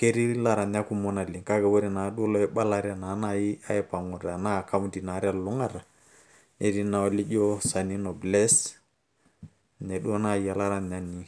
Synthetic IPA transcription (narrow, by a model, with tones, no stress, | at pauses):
ke˦ɾi˦la˦ɾa˨n˦a˦ku˦mɔ˦na˨li˨ŋka˦kɛ˨we˦ɾi˦na˨˦ɗu˦ɔ˦lɔ˦ɛ˦ɓa˦la˦ɾɪ˦a˨na˨˦na˨ji˦a˦ɛ˦pa˨ŋɔ˨ɾa˨na˦˨ka˦m˦di˨na˨˦ɾɪ˦a˨lʊ˦ŋa˦˨ɾa˨ | nʔe˨˦ɾi˦na˨ɔ˦li˦d͡ʒɔ˦sa˨ni˦nɔ˨blɛ˦s | nɛ˨ɗu˦ɔ˦na˦˨i˨a˦la˦ɾa˦n˨a˦ni˦